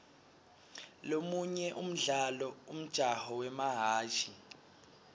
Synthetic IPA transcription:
lomuɲɛʔum̩ɮalɔum̩d̥ʒ̥ʱahɔwɛmaɦaːʒʰʱʼi

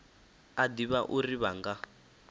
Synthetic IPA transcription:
adiβaʔuriβaŋɡa

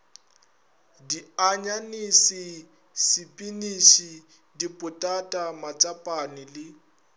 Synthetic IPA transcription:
diaɲanisɪ | sɪpʼinisi | dipʼʊtʼatʼamat͡ʃʼapʼanɪlɪ

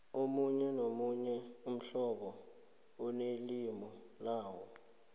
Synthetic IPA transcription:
omuɲɛnomuɲɛum̩ɬɔɓɔ | ɔnelimɔ | laːwɔ

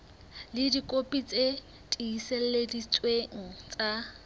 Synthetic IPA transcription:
lɪdikʼopʼit͡sʼe | tʼiisel̩ledit͡sʼweŋ̩t͡sʼa

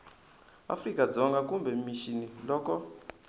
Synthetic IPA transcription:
a̰frikad͡zɔŋɡakumbɛmiʃinilɔkɔ

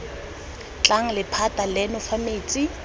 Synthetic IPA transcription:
t͡ɬʼaŋ̩lɪpʰatʼalɛnʊfameːt͡sʼi

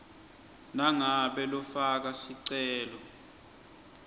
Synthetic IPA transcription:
naŋaɓɛlɔfak̬asiǀɛːlɔ

